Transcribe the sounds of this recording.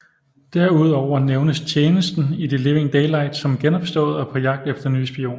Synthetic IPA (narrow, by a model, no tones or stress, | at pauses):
d̥æɐuð̞̰ˠɒʊ̰ɐneʊnəst͡sʰjeːnəsd̥n̩id̥ele̝ʊe̝ŋd̥eɪlɑ̈ɪ̰d̥sɒ̽mɡ̥enɒ̽b̥sd̥ɔ̰̽ːð̩ˠɒ̽pʰɒ̽jɑ̈ɡ̥̚d̥efd̥ɐny̰ːsb̥io̝̰ːn